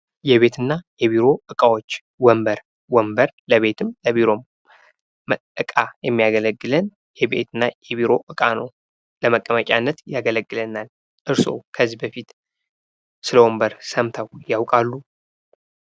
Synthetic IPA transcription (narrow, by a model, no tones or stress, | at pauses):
jɛβe̞t̪ʰɨnːajɛβiɾo̞ʔɨkʼawo̞t͡ʃː | wɔmbəɾ | wɔmbəɾləβe̞t̪ʰɨmləβiɾo̞ | mʔɨkʼajɛmːijaɡələɡːɨlən | jɛbe̞̰t̪ʰɨnːajɛβiɾo̞ʔɨkʼanəw | ləməkʼːəməkʼanːət̪jaɡələɡːɨlənal | ʔɨɾso̞̰kʰəzːibəfit̪ | sɨləwombəɾsəmt̪ʰəwjawkʼalːu